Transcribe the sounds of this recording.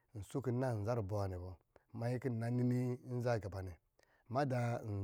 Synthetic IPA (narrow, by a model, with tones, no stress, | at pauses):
n̩˨su˦ki˨˦na˦˨n̩˨za˦ɾbo˨a˨ni˨bo˨ | ma˨˦ji˦ki˦˨a˦ni˦ni˦n˦za˦˨ɡa˨ba˨ni˨ | ma˦da˨n˨